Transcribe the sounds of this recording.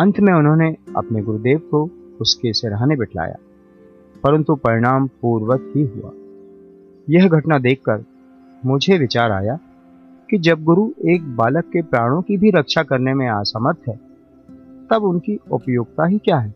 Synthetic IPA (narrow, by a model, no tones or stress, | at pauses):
ɐ̃nt̪ʰmẽʊnɦõneɐ̰pneɡʊɾud̪eːʋkoʊskesɪɾaːnebɪʈʰla̰ːja̰ː | pɐɾə̃nt̪upɐɾɪɽ̃aːmpuːɾwətɦiɦʊ̰a̰ː | jɐɦɡʱɐʈnad̪eːkʰːəɾ | mʊd͡ʒʱeʋɪt͡ʃaːɾa̰ːja | kid͡ʒɐb̚ɡʊɾueːk̚baːləkːepɾaːɽ̃õkibʱiɾɐkʃakɐɾnemẽaːsamət̪ɦɛː | t̪ɐbʊnkiʊpjoːɡ̚t̪aɦikjaːɦɛː